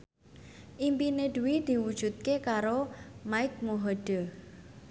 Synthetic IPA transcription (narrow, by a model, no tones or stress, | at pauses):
ʔimpineɖ̪uid̪̥i̤wud̥ʒ̥ṳt̪̚kekaɾomaɪk̚moɦɔɖ̥ə